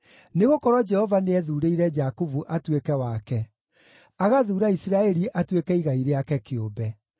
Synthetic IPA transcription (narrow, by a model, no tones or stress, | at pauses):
neɣokɔɾɔd͡ʒɛhɔvaneɛðuːɾeiɾɛd͡ʒakuvuʔatwekɛwakɛ | aɣaðuːɾaisiɾaɛɾiʔatwekɛiɣaiɾeakɛkeobɛ